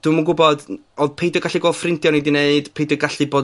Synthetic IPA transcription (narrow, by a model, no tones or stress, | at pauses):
d̥uməɡʊbɔdoðpʰejdɔɡaɬiɡoːlˠfrɪntʰjɔnidineɨd̥pʰejdɔɡaɬɨboː